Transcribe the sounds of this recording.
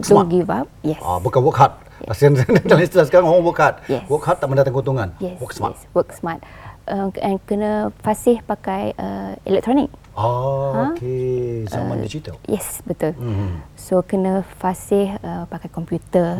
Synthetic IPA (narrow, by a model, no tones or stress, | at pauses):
soɡivap̚jɛsa̰bukanwəkɦat̪̚ | ɛ̰asianədədalĩst̪ilasəkaɾaŋoɾaŋwəkhat̪̚jɛ̰swəkhat̪ːaʔmə̃ndat̪aŋɡot̪uŋãnjɛswəksma̰ɛtswəksmat̪̚ | ʔəmɛ̃nkənə̃fasɪhpakajəɛ̰lɛk̚t̪ɾɔnɪk̚ | aãkeza̰mã̰ndid͡ʒit̪ə̰ljɛ̰sbət̪ulsokənə̃fasɪhəpakajkɔmpjut̪ə